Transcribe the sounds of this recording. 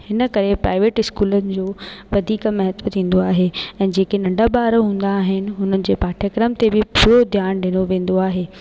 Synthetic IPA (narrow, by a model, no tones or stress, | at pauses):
hɪnə̆kɐɾepɾa̰ːɪʋeːʈɪskuːlənɪ̆d͡ʑoːʋɐd̪ʱiːkmɛɦət̪ʋət̪ʰĩːn̆d̪oaːɦeɛ̃ːd͡ʑeːkenɐ̃ɳɖʱabaːɾɦũːn̆d̪aːɦɪnɪ̆ɦʊnənɪ̆d͡ʑeːpaːʈʰjəkɾəmt̪ebɪpʰʊɾod̪ʱjaːnɗɪñoʋẽːn̆d̪oaːɦeː